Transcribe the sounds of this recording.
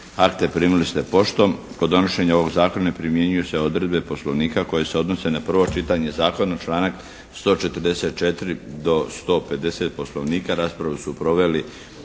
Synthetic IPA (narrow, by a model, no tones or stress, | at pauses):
akt̪epɾiːmulist̪epo̞ʃt̪om | kod̪o̞noʃeɲaoʋo̞ɡzaːkonaepɾimje̞ɲujuseo̞d̪ɾed̪be̞po̞slo̞ʋniːkako̞je̞se̞o̞d̪no̞se̞napr̩ʋo̞t͡ʃit̪aɲe̞zaːko̞nat͡ʃlˠaːnak | st̪o̞ːt͡ʃe̞t̪ərd̪ese̞t̪̚t͡ʃet̪ɾid̪o̞st̪o̞ːpe̞d̪e̞se̞t̪̚po̞slo̞ʋniːkaɾaːspɾaʋusupɾoʋe̞li